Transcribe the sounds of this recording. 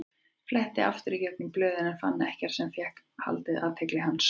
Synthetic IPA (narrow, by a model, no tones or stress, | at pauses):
flɛht̪ɪa̰ft̪ʏɾicɛk̚nʏŋplœːðɪnɛnfa̰nːɪɛhcaɾ̥sɛmθjɛhk | ha̰lt̪ɪðʔa̰t̪ʰeklɪɦanːs